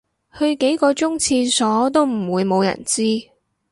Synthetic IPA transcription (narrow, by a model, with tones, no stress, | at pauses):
hɵ˧ɥke˨˥jkɔː˧t͡ʃʊ˥ŋt͡sʰiː˧sɔː˨˥t̪o˥wm̩˨˩wuː˨˧jmo˨˧wjɐ̰˨˩nt͡siː˥